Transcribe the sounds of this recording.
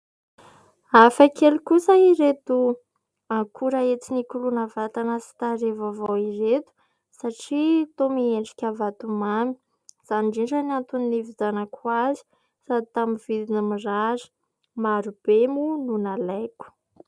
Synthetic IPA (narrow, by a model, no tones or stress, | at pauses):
afakelukusəiɾet̪u | aŋkʰuɾaet͡sinikulunəvat̪anasi̥t̪aɾevavowiɾet̪u̥ | saʈ͡ʂit̪omieɳɖ͡ʐi̥kʲavat̪umami̥ | z̥aniɳɖ͡ʐiɳʈ͡ʂanant̪uninivizanəkʰuazi̥ | sad̪it̪aminvid̪inəmirazi̥ | maɾub̥emununalajkʲu̥